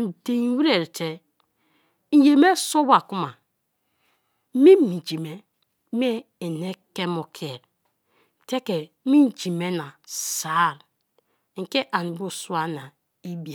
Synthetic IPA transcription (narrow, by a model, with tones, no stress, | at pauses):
n̩˨de˨n˦wi˦ɾe˨ɾte˦ | n̩˨je˨me˦so˦ba˨ku˦ma˨˦ | mi˦mi˨d͡ʒi˨me˨˦ | m˦e˦ | e˨ne˦ke˦mo˨kʰe˨ɾ | te˦ke˨˦ | mi˦n̩˦˨d͡ʒi˨me˦na˨sa˨˦˨ɾ | ŋ̩˨ke˦ʔa˨n˨bo˦su˦a˦na˨ | i˦bi˨a˨